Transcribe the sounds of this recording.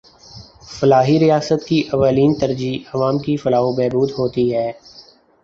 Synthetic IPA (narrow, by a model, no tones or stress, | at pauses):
fɐlaːɦiɾijaːsət̪kiʔɐʋaːliːnt̪ɐɾd͡ʒiɐʋaːmkifɐlaːɦobɛːbuːd̪ɦoːt̪iɦɛː